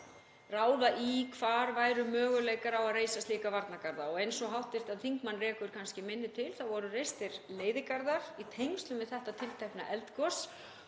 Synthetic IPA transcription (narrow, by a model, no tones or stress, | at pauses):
raːwðaʔikʰvaːɾvaːjɾʏmœːɣʏleːjkaɾawaðreːjsast̪iːkavaɾt̪nakaɾðaɔɣejnsɔɣɦawht̪ɪr̥t̪aðθiŋkmanːrɛːkʏɾ̥kʰanscɪmɪnːɪt̪ʰɪlθawvɔɾʏrejst̪ɪɾleːjðɪkaɾðaɾ̥it̪ʰejŋst̪lʏmvɪðθɛht̪at̪ʰɪlt̪ʰɛhpna̰ʔɛlt̪kɔs